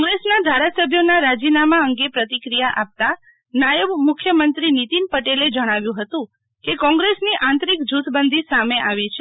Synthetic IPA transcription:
kɔ̃ŋɡɾesnad̪ʱaɾasəbʱjonaɾad͡ʒinamaəŋɡepɾət̪ikɾijaʔap̚t̪a | najəʋmʊkʰjəmənt̪ɾinit̪inpəʈeled͡ʒəɽ̃aʋjũɦət̪ũ | kekɔ̃ŋɡɾesniʔãnt̪ɾikd͡ʒut̪ʰbənd̪ʱisameʔaʋit͡ʃʰe

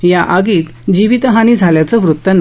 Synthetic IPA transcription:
jaʔaɡiːt̪d͡ʑiʋit̪əɦaniːd͡zʱaljat͡səʋɾut̪ːən

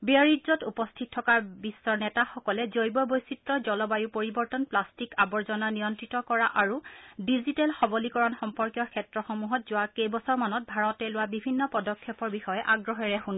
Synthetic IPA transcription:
biaɹidzɔtupɔstʰittʰːɔkabisːɔɹnɛtaxɔkɔlɛzojbɔbojsitɹɔzɔlɔbajupoɹibɔɹtɔnplastikabɔɹzɔnanijɔntɹitɔkɔɹaʔaɹudizitɛlxɔbɔlikɔɹɔnxɔmpɔɹkjɔkʰɛtɹɔxɔmuɦɔtzʊwakejbɔsɔɹmanɔt̚bʱaɹɔtɛlʊwabibʱinːɔpɔdɔkʰːɛpɔɹbixɔjɛʔaɡɹɔɦɛɹɛxun

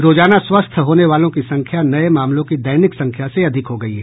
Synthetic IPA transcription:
ɾoːd͡ʒaːnaswɐst̪ʰɦoːneʋaːlõkisɐ̃ŋkʰjanɐemaːmlõkid̪ɐjnɪksɐ̃ŋkʰjaseɐd̪ʱɪkɦoɡɐiɦɛ

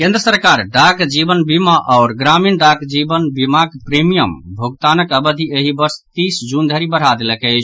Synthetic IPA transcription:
kẽnd̪ɾəsəɾkaɾɖaɡd͡ʒibənbimaʔaʊɾɡɾaminɖakd͡ʒibənbimaɡpɾemijəmbʱoɡt̪anəkəbəd̪ʱieɦibəɾst̪isd͡ʒund̪ʱəɾibəɽ̤ɦad̪eləkəɪt͡ʃʰ

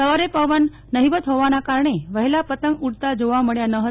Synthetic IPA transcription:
əʋəɾepəʋənː | əɦiʋət̪ɦoʋañakaɾɳ̃eʋəɦilapət̪əŋɡuɽt̪ad͡zoʋaməɭjanəɦə

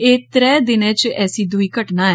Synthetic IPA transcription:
eːt̪ɾɛːd̪ɪnɛ̃ːt͡ʃɛːsiːd̪ʊiːkəʈnaː

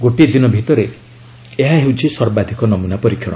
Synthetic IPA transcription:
ɡoʈied̪inɔbʱit̪ɔɾe | eɦaɦewt͡ʃʰisɔɾbad̪ʱikɔnɔmunapɔɾikʰːjɔɽ̃ɔ

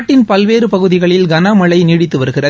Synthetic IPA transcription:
ʈːɪnpɐlʋeːɾɯpɐɣɯðɪɣɐɭɪlɡɐnamɐɭɐɪniɽɪt̪ːɯʋɐɾɯɣɪrɐ

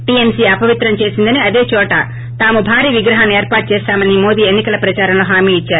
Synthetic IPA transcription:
ʈiemsiːɐpɐʋit̪ɾɐmt͡ʃe̞ːsind̪ɐniɐd̪e̞ːt͡ʃɔːʈɐ | t̪aːmubʱaːɾiːʋiɡɾɐɦaːnːeːɾpaːʈ̚t͡ʃɛːst̪aːmɐnimo̞ːd̪iːenːikɐlɐpɾɐt͡ʃaːɾɐmloːɦaːmiːit͡ʃːaːɾu

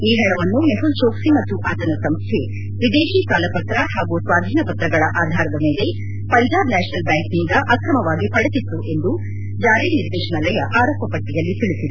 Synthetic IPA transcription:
iːɦɛɳɐʋɐnːumeɦult͡ʃoːksimɐt̪ːuʔaːt̪ɐnɐsɐmst̪ʰe | ʋid̪eːʃikaːlɐpɐt̪ɾɐɦaːɡusʋaːd̪ʱiːnɐpɐt̪ɾɐɡɐɭɐʔaːd̪ʱaːɾɐd̪ɐme̞ːle̞ | pɐɲd͡ʒaːbnɛːʃɐnɐlbjaːŋknind̪ɐʔɐkɾɐmɐʋaːɡipɐɽet̪it̪ːuʔe̞nd̪u | d͡ʒaːɾiniɾd̪eːʂɐɳɐlɐjɐʔaːɾoːpːɐpɐʈːijɐlːit̪iɭisid̪e

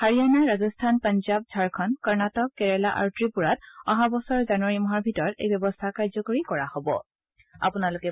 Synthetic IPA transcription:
haɹianaɹːazɔstʰanpɔnzab̚zʱaɹkʰɔnkɔɹnatɔkːɛɹɛlaʔa̰ɹutɹipuɹat̚ɔɦabɔsɔɹzanuaɹimɔɦaɹbʱitɔɹɔtḛjbɔbɔstʰakaɹzɔkoɹikɔɹahobɔ̰ | a̰punalʊkɛ

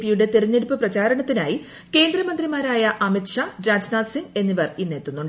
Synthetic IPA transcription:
pijuɽe̞t̪eɾuɲːeɽupːɨprɐt͡ɕaːɾɐɳɐt̪ːinaːji | ke̞ːnd̪rɐmɐnd̪rimaːɾaːjɐʔɐmitʂaɾaːd͡ʑnaːd̪siŋɡe̞nːiʋɐrinːeːt̪ːunːuɳɖ

